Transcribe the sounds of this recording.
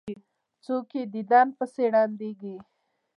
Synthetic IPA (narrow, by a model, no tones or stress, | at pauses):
t͡soked̪id̪ɑnpəseɽɑnd̪eɡi